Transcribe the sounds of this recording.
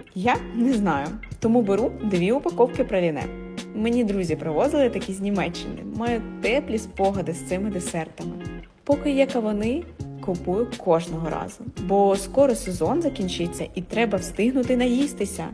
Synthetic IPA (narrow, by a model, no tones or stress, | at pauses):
janɛznɑjʊt̪ɔmubeɾud̪ʋʲiʊpɐkɔwkɪpɾɐlʲinɛ̰ | menʲid̪ɾuzʲipɾɔʋɔzɪlˠɪt̪ɐkʲizʲnʲimɛt͡ʃːɪnɪ̰mɑjʊt̪ɛplʲisʲpɔɦɐd̪ɪst̪sɪmɪd̪esɛrt̪ɐmɪ | pɔkɪjɛkɐʋɔnɪkʊpujʊkɔʒnɔɦɔɾɑ̰zʊbɔskɔɾɔsezɔnzɐkʲinʲt͡ʃɪt͡sʲːɐʔit̪ɾɛbɐwst̪ɪɦnʊt̪ɪnɐjist̪ɪsʲɐ̰